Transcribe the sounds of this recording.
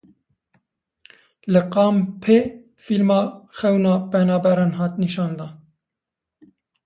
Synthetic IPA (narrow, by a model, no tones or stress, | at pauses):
lɨqɑːmpʰeː | filmɑːxɛwnɑːpɛnɑːbɛɾɑːnɦɑːt̪niʃɑːnd̪ɑːn